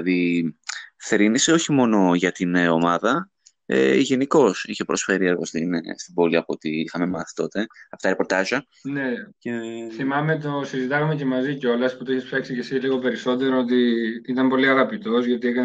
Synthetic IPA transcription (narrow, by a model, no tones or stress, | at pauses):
ði | θɾinise̞o̞çimo̞no̞ʝɐt̪ino̞mɐðɐ | ḛʝe̞niko̞siçe̞pɾo̞sfe̞ɾie̞ɾɣo̞st̪inst̪ibo̞liɐpoot̪iixɐme̞mɐθi̥t̪o̞t̪e̞ɐpot̪ɐɾe̞po̞ɾt̪ɐʒɐ | neceθimɐme̞t̪̬o̞sizit̪ɐɣɐmece̞mɐziceo̞lɐsput̪oiçespsɐksice̞siliɣo̞pe̞ɾiso̞t̪̬e̞ɾoot̪iit̪ɐmpo̞liɐɣɐpit̪o̞zʝɐt̪iekɐn